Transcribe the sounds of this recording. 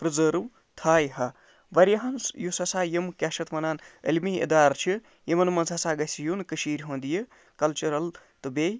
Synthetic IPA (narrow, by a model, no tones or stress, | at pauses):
pɾɨzɐɾu | t̪ʰaːjhɐ | ʋɐɾjɐɦɐnsjusɐsaːjemkʲjaːʃɐt̪mɐnaːnɐ̰lmiḛd̪aːɾt͡ʃʰi | jemɐnmɐnsɐsaːɡɐsijunkɨʃiːɾʲɦõːnd̪ijɨ | kɐlt͡ʃuɾɐl | t̪ɨbej